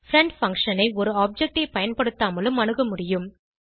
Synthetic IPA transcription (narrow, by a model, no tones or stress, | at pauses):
fɾɐɳɖfɐ̃ŋkʂɐnɐɪɔɾɯaːp̚d͡ʒɛk̚ʈeɪpɐjɐnpɐɽɯt̪ːaːmɐlɯmɐnɯɣɐmʊɽɪjɯm